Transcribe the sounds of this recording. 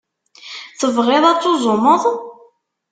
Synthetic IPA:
θəvʁɪðˤɑt͡sːozˤʊməðˤ

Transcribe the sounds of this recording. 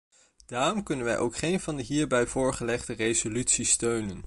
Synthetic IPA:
d̥aːrɔmkɵnənʋɛjʔowkχejnvɑndəɦiːɹbɛjvʊːɹχəlɛχdərejzolytsistøɥnən

